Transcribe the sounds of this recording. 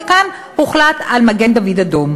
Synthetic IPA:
kan | huχlat̪almaɡe̞nd̪avid̪ad̪om

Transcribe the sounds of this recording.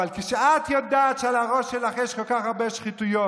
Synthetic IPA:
alkiʃeat̪jod̪aːt̪ʃealaʁoʃelaχjɛʃkolkaχaʁbeʃχit̪ujo

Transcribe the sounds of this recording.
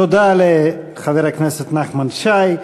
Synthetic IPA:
od̪ale | χaveɾhaknɛset̪naχmanʃaj

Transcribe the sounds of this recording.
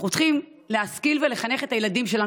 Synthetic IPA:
χot̪χim | leaskilvele̞χane̞χet̪ajelad̪imʃe̞la

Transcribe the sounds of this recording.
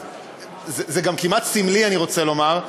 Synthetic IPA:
zzeɡamkimat̪simlianiʁo̞t͡selo̞maʁ

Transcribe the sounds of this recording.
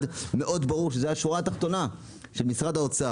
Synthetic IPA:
dmeʔo̞d̪baʁuʁʃezehaʃuat̪aχt̪o̞na | ʃelmisʁad̪aot͡sa

